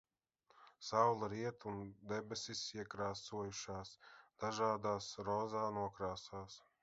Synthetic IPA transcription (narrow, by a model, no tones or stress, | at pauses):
sawlˠaɾiɛt̪und̪ɛbʲɛsisiɛkɾaːsuɔjuʃaːsd̪̥aʒaːd̪aːsɾɔːzaːnuɔkɾaːsaːs